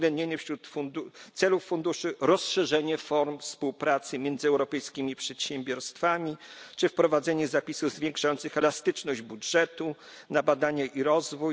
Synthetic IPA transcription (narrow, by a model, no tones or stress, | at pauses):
ɡlɛnd̪ɲeɲɛfɕɾut̪fund̪ut̪sɛlufːund̪uʂɘɾɔsʂɛʐɛɲɛfɔɾmfspuwpɾat̪sɘmʲjɛnd̪zɘɛwɾɔpɛjskʲimʲipʂɛt̪ɕɛmbʲjɔɾst̪famʲit͡ʂɘfpɾɔvad̪zɛɲɛzapʲisuvzvʲjẽŋkʂajɔnt̪sɘxɛlast̪ɘt͡ʂnɔʑd͡ʑbudʐɛt̪u | nabad̪aɲaʔiɾɔzvuj